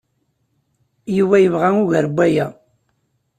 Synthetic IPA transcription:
jiwæjəvʁæŋʊʝəɾbʷːæjæ

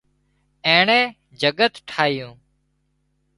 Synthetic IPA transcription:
ẽːɳẽː | d͡ʒəɠət̪ʈʰaːɦɪjũː

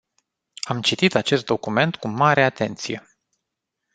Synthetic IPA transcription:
amt͡ʃit̪it̪at͡ʃe̞st̪̚d̪o̞kume̞nt̪kumaɾe̞at̪e̞nt̪sije̞̰

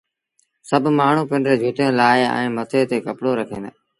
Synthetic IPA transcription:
səbʱmaːɳ̤uːpɪɳɖɾeːd͡ʒʱʊt̪ẽːlaːɪɛ̰̃ːmət̪ʰeːt̪eːkəpɽoːɾəkʰeːn

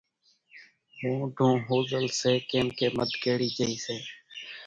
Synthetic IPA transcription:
hõːɖʱõːɦoːzəlseːkeːmkeːməd̪ʱkeːɽiːd͡ʒəiːseː

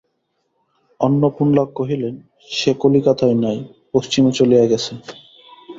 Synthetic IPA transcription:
onːopunlɔɡ̚koɦilen | ʃekolikat̪ʰɔjnaj | poʃt͡ɕimot͡ɕolijaɡɛt͡ɕʰe

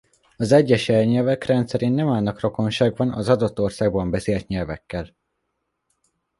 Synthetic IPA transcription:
ɒzɛɟːɛʃɛlɲɛlvɛkrɛnt̪sɛɾeːnːɛmaːlnɒkro̞ko̞nʃaːɡvɒnɒzɒd̪o̞t̪ːo̞rsaːɡ̚bɒmbɛseːlt̪ɲɛlvɛ̰kːɛl

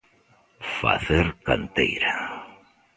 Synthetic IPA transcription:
fa̰θeɾkant̪ḛjɾa

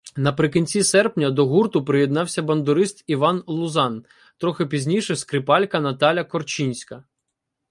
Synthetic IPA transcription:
nɐpɾɪkinʲt͡sʲisɛrpnʲɐd̪ɔɦurt̪ʊpɾɪjɛd̪nɑwsʲɐbɐnd̪ʊɾɪst̪iʋɑnlˠʊzɑn | t̪ɾɔxɪpʲizʲnʲijʃɛskɾɪpɑlʲkɐnɐt̪ɑlʲɐkɔrt͡ʃinʲsʲkɐ

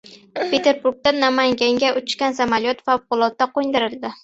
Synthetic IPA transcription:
pʰe̞t̪ʰe̞ɾbuɾɡ̚t̪anamaŋɡʲaŋɡʲaʊt͡ʃʃkʲansamaljɒt̪favqʊlˠɒt̪ːaqojnd̪ɪɾɪld̪ɪ

